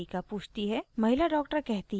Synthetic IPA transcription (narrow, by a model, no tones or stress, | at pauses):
ikapuːt͡ʃʰt̪iɦɛmɐɦɪlaɖɔːk̚ʈəɾkɛɦt̪i